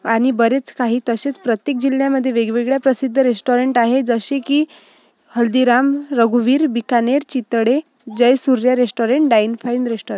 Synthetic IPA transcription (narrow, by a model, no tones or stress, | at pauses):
añibəɾet͡skaɦiːt̪əset͡spɾət̪jek̚d͡ʑilːjaməd̪ʱːjeʋeɡʋeɡɭjapɾəsid̪ʱːəɾesʈoɾeɳʈaɦed͡zəɕeki | həld̪iɾamɾəɡuʋiːɾbikaneɾt͡ɕit̪ɽe | d͡ʑəjsuɾjaɾesʈoɾeɳʈɖajnfajnɾesʈoɾeɳ